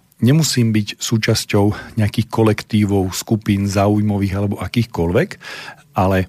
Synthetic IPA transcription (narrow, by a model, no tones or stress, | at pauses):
ɲɛmusiːmbicsuːt͡ʃascɔʊɲɛakiːxkɔlɛkt̪iːʋɔʊskupiːnzaːujmɔʋiːɣalɛbɔʔakiːxkɔlʋɛk | ʔalɛ